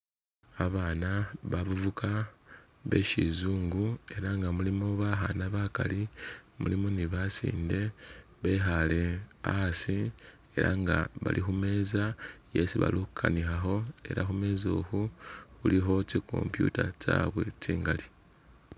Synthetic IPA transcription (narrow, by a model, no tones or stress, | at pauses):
aβaːnaβaβuvuka | βe̞̰ʃizuːŋɡue̞ɾaŋɡamulimo̞βaɦanaβakalimulimoniβasḭːnde̞ | βe̞ːɦale̞asi | e̞ɾaŋɡaβalʔixume̞ːzaje̞siβa̰lukukʰanixaxo̞e̞ɾaxume̞ːzo̞ːxuxuliɦo̞tikʰo̞̰mpjṵtataːβwe̞t͡siːŋɡali